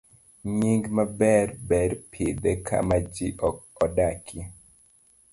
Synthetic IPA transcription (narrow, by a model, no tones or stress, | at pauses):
ɲiŋɡmabɛɾbɛɾpʰid̪ɛkʰa̰mad͡ʒiʔɔk̚ɔdakʰi